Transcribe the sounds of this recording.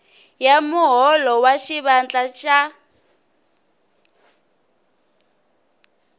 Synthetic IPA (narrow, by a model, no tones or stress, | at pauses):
jamʊɦɔlɔwaʃiβant͡ɬʼaʃa